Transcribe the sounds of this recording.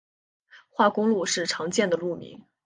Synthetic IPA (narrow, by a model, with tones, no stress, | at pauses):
xwa˥˩kʊ˥ŋlu˥˧ʂɻ̩˥˩ʈ͡ʂʰɑ˧˥ŋt͡ɕjɛ˥˩nd̪ə˩lu˥˩mḭ˧˥ŋ